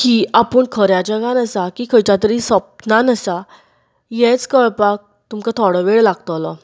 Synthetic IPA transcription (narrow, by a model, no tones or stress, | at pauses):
kiapəɳkʰəɾjad͡ʑəɡanəsakikʰəjt͡ɕat̪əɾisəp̚nanəsa | jɛ̃t͡skəɭpak̚ | t̪umkat̪ʰɔɽəʋeɭlaɡ̚t̪ɔlɔ